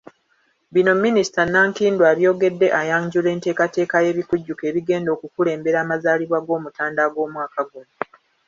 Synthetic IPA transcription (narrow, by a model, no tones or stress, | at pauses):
bino̞mːinisi̥tanaːŋkiːndwaːɾjo̞ːɡe̞dːe̞ʔajaɲɟule̞ːnte̞ːkate̞ːkaje̞βikuɟːuke̞ːβiɡe̞ːndo̞ːkukule̞ːmbe̞ɾaːmazaːliβwaɡo̞ːmutaːndaɡo̞ːmwaːkaɡuno